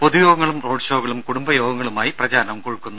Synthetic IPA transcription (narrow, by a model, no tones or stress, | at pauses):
poðujoːɡɐŋːɐɭumro̞ːɖʂo̞ːɣɐɭumkuɽumbɐjo̞ːɡɐŋːɐɭumaːjiprɐd͡ʑaːɾɐnɐʋmkoɻukːunːu